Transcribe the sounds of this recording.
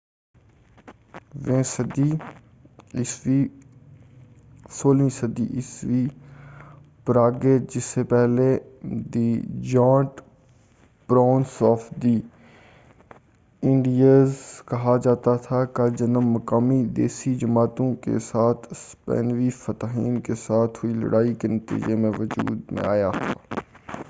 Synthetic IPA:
ʋẽːsəd̪iː | ɪʋiː | soːlĩːsəd̪ḭʔɪsʋiː | pɾaːɡeːd͡ʒɪsːeːpɛɦled̪id͡ʒãːɳʈ | pɾaːnsɔːfd̪iː | ɪ̃ɳɖijaːzkɐɦad͡ʒaːt̪at̪ʰakad͡ʒɐnəmːɐkaːmid̪ḛːsid͡ʒəmaːt̪õkḛsaːt̪ʰspɛ̰ːnʋifɐt̪aɦḭːnkesaːt̪ʰɦʊilɐ̰ɽaːikenɐt̪ḭːd͡ʒemẽʋʊd͡ʒṵːd̪mḛ̃aːjat̪ʰaː

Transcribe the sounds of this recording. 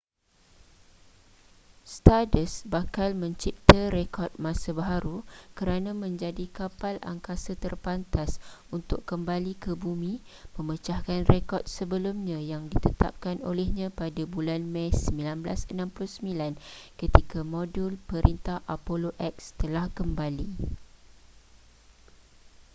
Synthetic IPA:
st̪adəsbakalmə̃ɲt͡ʃip̚t̪əɾekɔrt̪̚mãsabaɦaɾukəɾanãmə̃ɲd͡ʒadikapala̰ŋkasat̪ərpant̪asunt̪ʊkːəmbalikəbumĩmə̃mət͡ʃahkanrekɔrt̪̚səbəlumɲãjaŋdit̪ət̪a̰p̚kano̰lɛhɲãpadabulanmãjsəmbilanbla̰sənãmplʊhsəmilankət̪ikamodulpəɾʔint̪ahʔapoloʔɛk̚st̪əlahkəmbali

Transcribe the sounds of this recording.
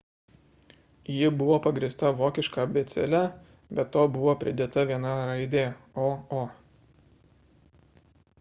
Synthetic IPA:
jɪbʊʋoːpɐɡɾʲiːst̪ɐʋoːkʲɪʃkɑːbʲɛt̪sʲɛ̰lʲɛ | bʲɛt̪ːoːbʊʋoːpʲɾʲɪd̪ʲeːt̪ɐʋʲiɛnɐɾɐɪd̪ʲeː | oːoː

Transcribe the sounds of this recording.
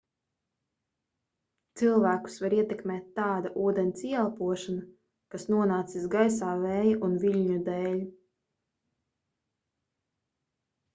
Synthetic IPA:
t̪silˠvæːku̥svaɾiɛt̪ɛkmɛːt̪ːaːd̪aʔuːd̪ɛnsialˠpuɔʃana | kasnuɔnaːt̪sisɡajsaːvɛːjaʔunviʎʲɲud̪ɛːlʲ

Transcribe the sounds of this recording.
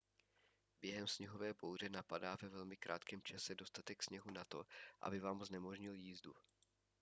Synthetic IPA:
bjɛɦɛmsɲɛɦo̞vɛːbowr̝ɛnapadaːvɛvɛlmɪkɾʔa̰ːt̪kɛːmt͡ʃasɛdo̞st̪at̪ɛksɲɛɦunat̪o̞ʔa̰bɪvaːmznɛmo̞ʒɲɪljiːzdu

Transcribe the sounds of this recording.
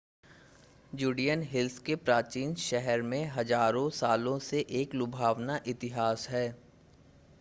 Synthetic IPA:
juːɖijənɦɪlskepɾaːt͡ʃiːnʃɛɦɛɾmẽɦɐzaːɾõsaːlõseʔeːklʊbʱaːʋnaʔɪt̪ɪɦaːsɦɛː

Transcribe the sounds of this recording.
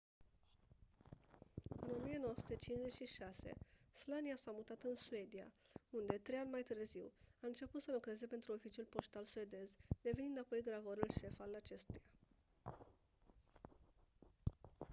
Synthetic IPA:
ɨno̞mije̞nowoəsu̥t̪et͡ʃinʃze̞t͡ʃʲʃiʃase̞̰slaniasamut̪at̪ɨnsue̞d̪ija̰und̪e̞t̪ɾejanʲmajt̪ɨrziwaɨnt͡ʃe̞put̪səlukɾe̞ze̞pe̞nt̪ɾuo̞fit͡ʃiulpo̞ʃt̪alsue̞d̪e̞zd̪e̞venind̪apo̞jɡɾavoɾulʃe̞falat͡ʃe̞st̪uja

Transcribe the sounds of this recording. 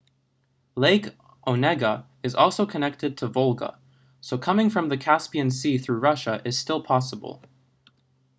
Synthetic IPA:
leɪk | ʔoʊnɛɡə | ɨzɔlˠsoʊkʰɨnɛk̚tɨd̚tʰəvʌlˠɡə̰ | soʊkʰʌmɪ̃ŋfɹʌ̃mðɨkʰæspiɨ̃nsiθɹʉɹʌʃəʔɨz̥stɪlˠpʰɑsəbl̩ˠ

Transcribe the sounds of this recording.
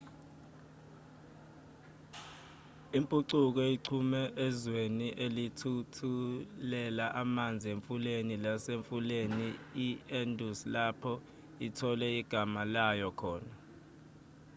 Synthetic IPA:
impʼuǀuk̬ɔiǀʰumɛʔɛzweniʔelitʰutʰulɛlaʔamand͡zʱieɱfulenilaseɱfuleniiɛndʱuslapʰɔ | itʰɔlɛiɡ̥ʱamalajɔkʰɔːna

